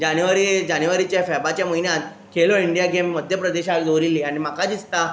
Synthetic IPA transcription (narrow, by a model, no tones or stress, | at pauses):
d͡ʑanjʋaɾid͡ʑanʋaɾit͡ɕjafɛbat͡ɕjaməinjat̪ | kʰeloiɳɖijaɡemːəd̪ʱjəpɾəd̪eɕakd͡z̪owɾilːiːaɽ̃im̤akad̪it͡st̪a